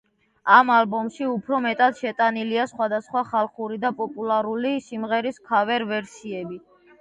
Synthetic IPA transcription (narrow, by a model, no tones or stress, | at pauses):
amalbɔmʃiupʰɾɔmɛt̪ʼad̪̥ʃɛt̪ʼaniliasχwad̪asχwaχalˠχuɾid̪apʼɔpʼulˠaɾulisimʁɛɾiskʰavɛɾvɛɾsiɛbi